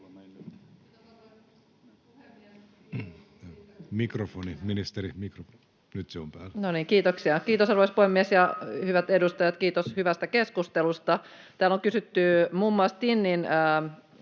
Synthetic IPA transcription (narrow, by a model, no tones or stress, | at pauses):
mikrofoniminist̪eɾimikrof | nyt̪seompæ̰ːlːnoniŋkiːt̪oksiɑkiːt̪osɑrʋoispuhemːiesjɑhyʋæt̪edust̪ɑjɑt̪kiːt̪oshyʋæst̪ækeskust̪elust̪ɑ | t̪æːloŋkysyt̪ːymumːuɑˑst̪inːinə